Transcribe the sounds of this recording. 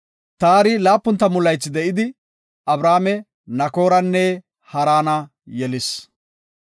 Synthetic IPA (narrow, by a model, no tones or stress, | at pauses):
t̪aːɾɪlaːpːʊnt̪ːɐmʊlːɐjt͡sːɪd̪ɛʔɪd̪ɪ | ɐbɾaːmɛ | nɐko̞ːɾɐnːɛ | hɐɾaːnɐ | jɛlɪs